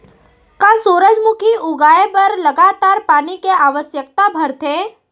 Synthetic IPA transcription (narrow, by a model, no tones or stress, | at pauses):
kasuːɾəd͡ʒmʊkʰiʔʊɡaːepɐɾlɐɡaːt̪aːɾpaːnikeaːʋəsjək̚t̪abʱɐɾt̪ʰeː